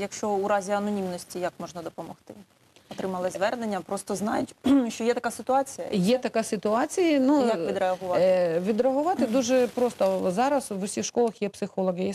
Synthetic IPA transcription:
jɐkʃt͡ʃɔuɾɑzʲiɐnɔnʲimnɔsʲtʲijɐkmɔʒnɐd̪ɔpɔmɔxt̪ɪ | ɔt̪ɾɪmɐlˠɪzʋɛrnenʲːɐpɾɔst̪ɔznɑjʊtʲʃt͡ʃɔjɛt̪ɐkasɪt̪ʊɑt͡sʲijɐ̰jɛt̪ɐkɑsɪt̪ʊɑt͡sʲijɐnujʋʲid̪ɾeɐɦʊʋɑʋʲid̪ɾeɐɦʊʋɑt̪ɪd̪uʒɛpɾɔst̪ɔzɑɾɐsʋʊsʲixʃkɔlˠɐxjɛpsɪxɔlˠɔɦɪjɛ

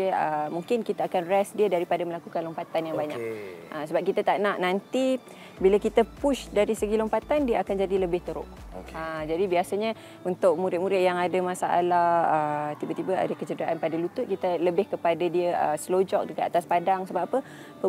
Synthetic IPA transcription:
əəmuŋkɪnkit̪aakanrɛsdiədaɾipadamə̃lakukanlompat̪anjaŋbaɲa̰k̚ʔəsəbap̚kit̪at̪aʔnaʔnant̪i | biləkit̪əpuʃdaɾisəɡilompat̪andiəakand͡ʒadiləbɪht̪əɾʊ̰ʔ | əd͡ʒadibiasaɲə̃ | unt̪ʊʔ̚muɾɪʔ̚muɾɪʔjaŋadəmasaʔa̰lahət̪ibət̪ibəa̰dəkət͡ʃədaʔanpadalut̪ʊʔ̪̚kit̪ələbɪhkəpadadiəəsəlod͡ʒɔk̚dəkaat̪aspadaŋsəbapapə | pə

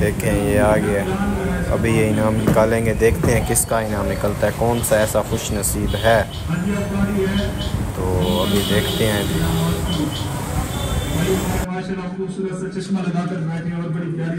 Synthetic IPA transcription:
d̪eːkʰeɛ̃jeaːɡeɛːɐ̰bʱijeɪnaːmnɪkaːlẽːŋɡed̪eːkʰt̪eɦɛ̃kɪskaɪnãːmnɪkəlt̪aɦɛkɔːnsaɛːsaxʊʃnɐsiːbɦɛː | ɐnaaːɾiɦɛt̪oːɐbʱid̪eːkʰt̪eɦɛ̃d͡ʒiː | iasɐɾapkosuɾəsɐt͡ʃɪsmalɐɡakɐɾat̪ɔːɾbɐɽipjaːɾ

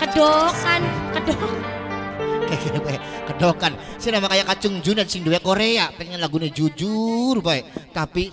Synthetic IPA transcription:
kədokankədok | kakiɾabaɛkədokansianamakajakat͡ʃʊŋd͡ʒunat̪siŋduekoɾeapɛŋɲalaɡuned͡ʒud͡ʒurbaɛʔt̪api

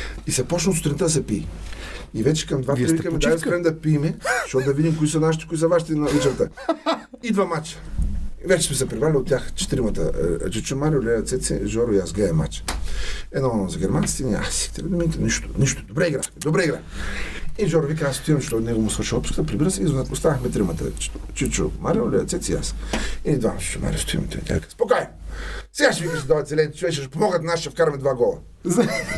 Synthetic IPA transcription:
isɛpɔt͡ʃnɐsʊ̥t̪ɾʲint̪əd̪ɐsɛpḭ | ivɛt͡ʃɛ̥kɐmd̪vapɾivikɐmɛd̪asɾɛnd̪ɐpimɛʃtɔt̪ʊd̪ɐvid̪imkoisɐnaʃi̥t̪i̥koisɐvaʃ̬it̪ɛnɐit͡ʃɛɾt̪ə | id̪vamat͡ʃə̥vɛt͡ʃɛ̥smɛsɛpɾivalʲiot̪ːʲaxt͡ʃɛ̥t̪iɾimət̪ə̰d͡ʒət͡ʃɛmaɾiolʲɛlɐt̪sɛt̪sɛ̰ʒɔɾʊiasɡlɛɛma̰t͡ʃə̥ɛnɔnzɐɡʲɛɾmansi̥t̪ɛnia̰si̥xt̪ɛlɛd̪umiit̪ɛniʃt̪ʊ̥niʃʊ̥d̪obɾɛiɡɾaxmɛd̪obɾɛiɡɾax | iʒɔɾvik̬azəst̪ʊimt͡ʃt̪ɔnɛɡomʊsvəɾʃilˠɔt̪pu̥skə̥t̪əpɾibiɾəsɛizost̪anəxmɛt̪ɾimət̪ə̰t͡ʃit͡ʃʊ̰maɾiolʲɛ̰t̪sɛt̪sʲija̰sinid̪vamət͡ʃi̥t͡ʃuma̰ɾʲiṵst̪ʊjḭmit̪o̰t̪ʲa̰kaspokajmsɛɡaʃvikəsɛd̪ɔjɐt̪zɛlɛnit̪t͡ʃʊvɛʃʃpomɔɡət̪naʃʃɐfkaɾɐmɛd̪vaɡɔlˠə̰ | z

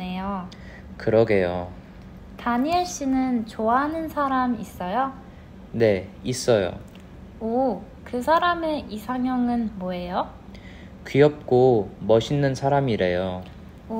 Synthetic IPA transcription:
ejo | kɯɾʌɡe̞jo | taɲiaɭɕ͈inɯnt͡ɕoanɯnsʰaɾamis͈ʌjo | ne̞is͈ʌjo̰ | o | kɯsʰaɾameʔisʰaŋjʌŋɯnmoe̞jo | kɥiʌp̚k͈omʌɕʰinːɯnsʰaɾamiɾe̞jo

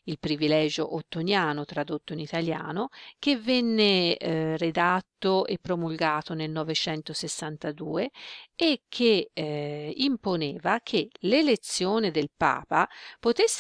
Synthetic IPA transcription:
ilpɾivilɛːd͡ʒoʔot̪ːonjaːnot̪ɾad̪ot̪ːoinit̪alja̰ːnok̟evːɛnːered̪at̪ːoepːɾomulɡaːt̪onelnɔvet͡ʃɛnt̪osesːant̪ad̪uːeekʰːe | imponeːvakʰelelet̪sːjoːned̪elpa̰ːpapot̪esː

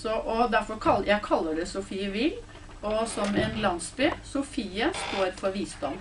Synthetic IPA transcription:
sɔʔɔd̪æɾfɔɾkʰɑljæɪkʰɑlːəɖɛsʊfiːəʋɪl | ɔsɔmɛːnlɑnsbyːsʊfiːəst̪oːɾfɔɾʋiːst̪ɑn

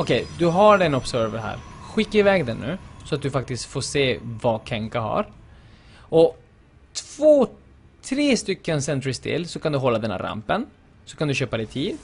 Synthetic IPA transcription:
ɔkʰɛjd̪ɵɦaɖɛnɔpsœɾvəɦæ̰ːɾɧɪkːaɾɪvɛːɡd̪ɛnːʉ̟̰ːsɔat̪̚d̪ɵfak̚t̪ɪst̪foːʂeːvakʰɛŋkaɦa̰ɾ | ɔ | t̪ʰv̥oː | t̪ʰɾeːst̪ʏkːənsɛnt̪ɾɪst̪ʰɪ̰lːsɔkʰand̪ɵɦɔlːad̪ɛnhæ̰ɾa̰mpən | sɔ̥kʰand̪ɵɕøːpad̪ɛt̪ʰiːd̪

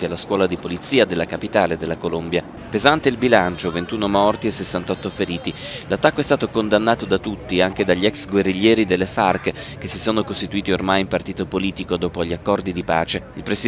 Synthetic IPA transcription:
t̪ialːaskwɔːlad̪ipolit̪siːad̪elːakapit̪aːled̪elːakolombja | pezant̪eilbilant͡ʃovent̪uːnomɔrt̪iesesːant̪ɔt̪ːofeɾiːt̪i | lat̪ːakːoɛst̪aːt̪okond̪anːaːt̪od̪at̪ut̪ːiaŋk̟ed̪aʎːiɛksɡwerːiʎːɛːɾid̪elːefarkek̟esisoːnokost̪it̪uiːt̪iormajimpart̪iːt̪opoliːt̪ikod̪ɔːpoʎːiakːɔrd̪id̪ipaːt͡ʃeilpɾesi

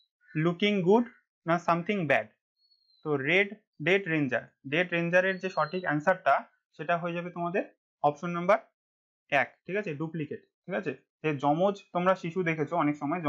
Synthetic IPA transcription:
lukiŋɡuɖ | nasamt̪ʰiŋbɛɖ | t̪oɾeɖ | ɖeʈɾend͡ʑa̰ɾɖeʈɾend͡ʑaɾeɾd͡ʑeʃɔʈʰikɛnsaɾʈa | ʃeʈaɦoed͡ʑabet̪omad̪eɾ | ɔpʃonːambaɾ | ɛk̚ʈʰikat͡ɕʰeɖuplikeʈ̚ | ʈʰikat͡ɕʰe | d͡ʒed͡ʑɔmod͡ʑt̪omɾaʃiʃud̪ekʰet͡ɕʰoɔnekʃɔmɔeɔ

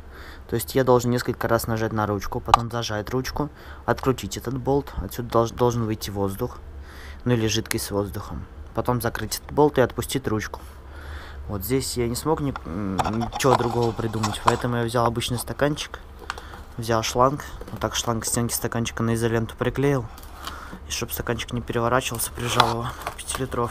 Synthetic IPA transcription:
t̪o̞ɪsʲtʲjad̪o̞lˠʐɨnneskəlʲkəɾasnɐʐatʲnɐɾut͡ɕkʊpɐt̪o̞mzɐʐajɪt̪rut͡ɕkʊ | ɐt̪kɾʲʊt͡ɕitʲɛt̪ət̪bo̞lˠt̪ɐt̪sʲud̪əd̪o̞lˠʐɨnvɨjtʲːivo̞zd̪ʊx | nuilʲɪʐɨt̪kəsʲt̪ʲsvo̞zd̪ʊxəmpɐt̪o̞mzɐkɾɨtʲɛt̪ə̥t̪̚bo̞lˠt̪ɨɐt̪pʊsʲtʲitʲɾut͡ɕkʊ̥ | vo̞t̪zʲdʲesʲjanʲɪsmo̞knʲɪ | t͡ɕɪvo̞d̪ɾʊɡo̞vəpɾʲɪd̪umətʲpɐɛt̪əmʊjavzʲalˠɐbɨt͡ɕnɨjst̪ɐkanʲt͡ɕɪ̥k | vzʲalˠʂlˠankot̪ːakʂlˠanksʲtʲenkʲɪ̥st̪ɐkanʲt͡ɕɪ̥kənəɪzɐlʲent̪ʊ̥pɾʲɪklʲejɪlˠ | iʂt̪o̞pst̪ɐkanʲt͡ɕɪ̥knʲɪpʲɪɾʲɪvɐɾat͡ɕɪvəlˠsʲə̥pɾʲɪʐalˠəvəpʲɪ̥tʲilʲɪt̪ɾo̞f

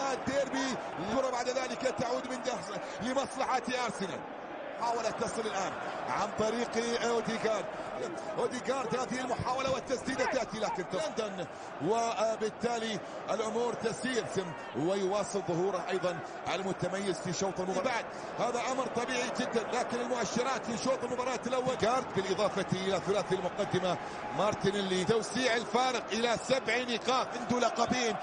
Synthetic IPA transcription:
ad̪eːɾbi | lɪʊɾˤɑbaʕd̪ðaːlɪkat̪aʕuːd̪mɪnd̪as | lɪmɑsˤlɑħat̪ʔɑɾˤsɪna̰l | ħaːwalat̪ːɑsˤɨlɪlʔaːnʕant̪ˤɑɾiːqʔod̪iɡɑːɾˤd̪ʔoːd̪ɪɡɑːɾˤd̪haːðɪhɪlmʊħaːwalawɪt̪ːasd̪iːd̪at̪aʔt̪ilaːkɪnt̪ɪnd̪an | wɪbɪt̪ːaːli | ʔɪlʔʊmuːɾt̪asiːɾsɪm | wɪjwɑːsˤɨlðˤʊhuːɾaʔɑjðˤɑn | ʕalmʊt̪amajːɪzfiʃːoːt̪ˤɪlmʊbɑbaʕd̪̚ | haːðaʔamɾt̪ˤɑbiːʕid͡ʒɪd̪ːanlaːkɪnɪlmʊʔaʃːɪɾɑːt̪fiʃoːt̪ˤɪlmʊbɑːɾˤɑːt̪ːalawːaɡɑːɾˤt̪bɪlʔɨðˤɑːfat̪iʔɪlaθʊlaːθalmʊqad̪ːɪma | mɑɾˤt̪ɪnɪlːit̪awsiːʕɪlfaːɾɪqʔɪlasabʕnɪqɑːɪnd̪ulɑqɑbiːn

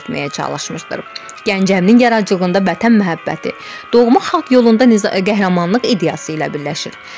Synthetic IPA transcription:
t̪mæ̰jæt͡ʃʰɑ̰lˠɯʃmɯʃd̪ɯ̰ɾ | ɟ̥ænd͡ʒæmininjɑɾɑd͡ʒɯlˠɣɯnd̪ɑvæt̪ʰænmæɦæbːæ̰t̪ʰḭ | d̪̥o̞ɣmuχχɑlˠkjo̞lˠund̪ɑnɡæɦɾɑmɑnlˠɯqid̪ejɑsɯilæ̰biɾlæʃḭɾ

